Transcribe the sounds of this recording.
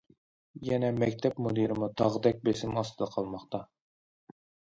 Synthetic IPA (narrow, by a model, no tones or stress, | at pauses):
jɛnɛmɛkʲt̪ʰɛpmod̪iɾɪmut̪ʰɑʁd̪ɛk̚ʲbesɪmɑst̪ʰɨd̪ɑqʰɑlˠmɑχt̪ɑ